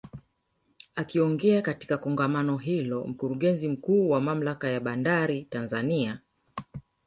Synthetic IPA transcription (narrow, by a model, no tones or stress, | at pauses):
akiɔŋɡɛakati̥kakɔŋɡamanɔɦilɔm̩kuɾuɠɛnzim̩kuːwamam̩lakajaɓandaɾitanzania